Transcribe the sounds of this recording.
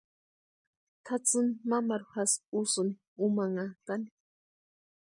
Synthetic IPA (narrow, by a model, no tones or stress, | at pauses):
t̪ʰat͡sɨnimamaɾuhasusɨni | umaŋat̪ani̥